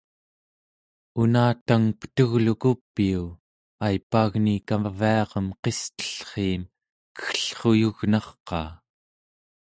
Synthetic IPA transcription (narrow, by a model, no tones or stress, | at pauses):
unaːt̪aŋpə̥t̪uɣlukupːiu | ajpːaːɣnikaviɑʁəmqe̞st̪ə̥ɬχiːm | kə̥xɬχojuɣnɑχqɑ̰ː